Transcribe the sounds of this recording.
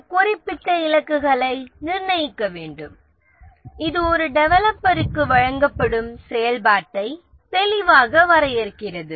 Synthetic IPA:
kʊrɪpːɪʈːɐɪlɐkːɯɣɐɭɐɪnɪɾɳɐjɪkːɐʋeːɳɖɯm | ɪðɯɔɾɯɖɛʋɐlɐpːɐɾɯkːɯʋɐɻɐŋɡɐpːɐɽɯmsɛjɐlbaːʈːɐɪ | t̪ɛlɪʋaːɣɐʋɐɾɐjɪɾɯkːɪrɐðɯ

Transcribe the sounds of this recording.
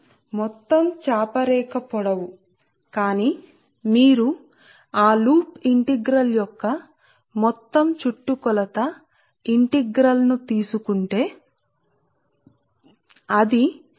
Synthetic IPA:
mɔt̪ːɐmt͡ʃaːpɐɾɛːkɐpɔɽɐwu | kaːni | miːɾu | aːluːpiɳʈiɡɾɐljɔkːɐ | mɔt̪ːɐmt͡ʃuʈːukɔlɐt̪ɐ | iɳʈiɡɾɐlnut̪iːsukuɳʈe̞ː | ɐd̪i

